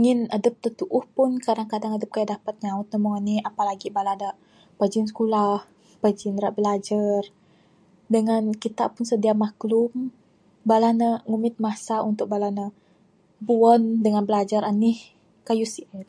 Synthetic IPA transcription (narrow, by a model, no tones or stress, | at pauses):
iŋɪnadəp̚t̪ət̪uʔʊhpʊnkadaŋkadaŋadəp̚kajaʔdapat̪̚ɲaʊt̪̚nəmuŋaniapalaɡibaladaʔ | pəd͡ʒɪnsə̥kulah | pəd͡ʒɪnɾaʔbəlad͡ʒar | dəŋankit̪aʔpʊnsədiamaklʊm | balanəŋumɪt̪̚masaunt̪ʊk̚balanə | buəndəŋanbəlad͡ʒaɾanih | kajusiʔt